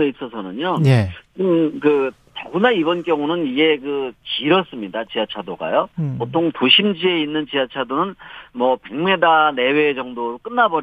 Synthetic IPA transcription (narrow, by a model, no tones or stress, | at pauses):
eis͈ʌsʰʌnɯɲojeɯmkɯ | tʌbunaibʌnk͈jʌŋunɯniɡe̞kɯt͡ɕiɾʌs͈ɯmɲidat͡ɕiat͡ɕʰadoɡa̰jopotʰoŋtoɕʰimd͡ʑie̞inːɯnt͡ɕiat͡ɕʰadonɯnmʌpe̞ŋme̞dane̞we̞ːd͡ʑʌŋdok͈ɯnːabʌɾ